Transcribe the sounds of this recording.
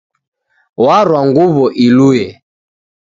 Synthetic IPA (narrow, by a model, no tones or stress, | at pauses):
waɾwaŋɡuβɔʔilujɛ